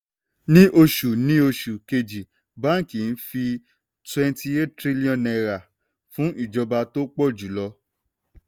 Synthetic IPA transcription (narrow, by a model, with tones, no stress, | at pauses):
nĩ˦ʔo˧ʃu˨nĩ˦o˧ʃu˨ke˧d͡ʒi˨ | ba˦˨ki˨n̩˦fi˧ | twɛ̃˧ntʰi˧e˦ttɾi˦li˦ɔ̃˨nɛ˧ɾa˨ | fũ˨˦ʔi˦˨d͡ʒɔ˧ba˧to˦k͡pɔ˦˨d͡ʒu˨˦lɔ˧˦